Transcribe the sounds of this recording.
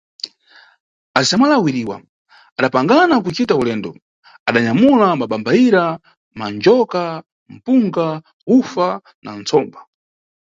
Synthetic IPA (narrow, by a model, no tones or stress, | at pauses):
azamalawiɾiːwa̰ | aɗapaŋɡanakut͡ʃitaulɛːndɔ | aɗaɲamulamaɓambaiɾa | mand͡ʒɔka | m̩puŋɡa | ufa | nant͡sʰɔːmba